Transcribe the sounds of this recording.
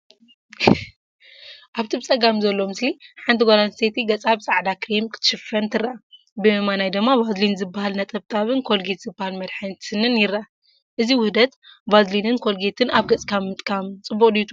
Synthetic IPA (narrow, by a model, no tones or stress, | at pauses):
ʔaβt̪ʰɨbt͡sʼɐɡamzɐlːomɨsliħant̪ʰiɡʷolanset̪ʰiɡɐt͡sʼaβsʼaʕd̪akʰɾimkt̪ʰɨ̥ʃɨfɐnt̪ʰɨɾa | bɨmanajd̪ɨɡmːabazlinzɨbːahalnɐt̪ʼɐβt̪ʼʰaβɨnkʰo̞lɡet̪z̥ɨbːahalmɐd̪ħɨnt̪ʰɨnɨnjɪɾːa | ʔɨziwʊhd̪ɐt̪bazlinɨnkʰo̞lɡet̪ʰɨnaβɡɐt͡sʼkʰammɨt̪ʼkʰamt͡sʼɨbːuqʼd̪it̪ʰu